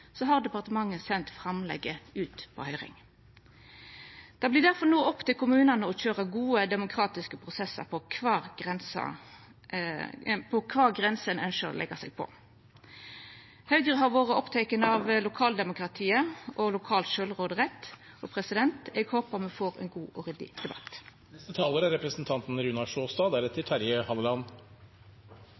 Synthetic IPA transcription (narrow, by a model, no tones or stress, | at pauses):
sɔɦɑʁd̪ɛpɑʁt̪əmɑŋːəsɛnt̪fʁɑmlɛ̰ɡəʉːt̪pʰɔ̰hœʏʁɪ̰ŋ | d̪̥ɑːbliːd̪æʁfɔʁnuːɔpːt̪ɪlkʰʊmʉːnɑnəɔçøːʁəɡuːəd̪ɛmʊkʰʁɑːt̪ɪskəpʰʁʊsɛsːə̰pʰɔkʰʋɑ̥ːʁɛnsɑ̰ | pʰɔkʰʋɑːɡʁɛnsənœnʃəʁɔ̰lɛ̰ɡɑsɛ̰ɡ̚pʰɔ̰ | hɑʉɡʁəɦɑʁʋoːʁəɔpt̪ʰɛkənəɑʋlʊkʰɑːld̪ɛmʊkʁɑt̪ʰiːəɔlʊkʰɑːlt̪ʃøləʁoːd̪əʁɛt̪ː | ʔɔpʰʁɛsɪd̪ɛnt̪ɛɡhoːpəʁmʉfoːʁɛ̰nɡuːʔɔʁɛd̪ɪ̰d̪̥ɛbɑ̰t̪ː | nɛsət̪ʰɑːləɾæɾɛpɾəsnt̪ʰɑnt̪n̩ɾʉnɑʂoːst̪ɑːd̪æɾɛt̪ʰːɪt̪ʰæɾjəhɑləlɑn